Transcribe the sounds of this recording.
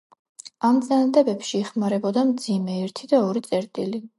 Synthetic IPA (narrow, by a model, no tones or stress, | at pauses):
amt̪sʼanad̪ɛbɛpʃiɛχmaɾɛbɔd̪amd̪zimɛɛɾt̪ʰid̪aɔɾit̪sʼɛɾt̪ʼili